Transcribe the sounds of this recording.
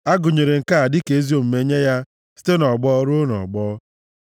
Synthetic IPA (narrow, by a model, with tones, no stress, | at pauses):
a˦ɡʊ˨ɲe˨ɾe˨ŋ̩˨ka˦a˨dɪ˦ke˨e˦zi˦o˦˨m̩˨me˦ɲe˦ja˦ | si̥˦te˦nɔ˨ɡ͡bɔ˦ɾʊ˦nɔ̰˨ɡ͡bɔː˦